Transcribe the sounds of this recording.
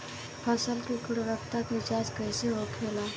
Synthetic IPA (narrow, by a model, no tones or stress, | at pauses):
pʰəsəlkikʊɽɾəkt̪akʋɪt͡ʃaːd͡ʒkəjseɦokʰeːla